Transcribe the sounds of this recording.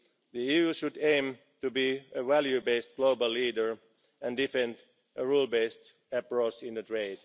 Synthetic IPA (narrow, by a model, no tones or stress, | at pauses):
ðiiuʃʊdẽɪ̃m | tubiəʋæljubeɪst̚ɡ̥loʊbəlˠːiːdə˞ | æ̃ndɪfɛ̃nd | ʔəɹuːlˠbeɪst | æpɹot͡ʃɪ̃nðətʰɹeɪd̥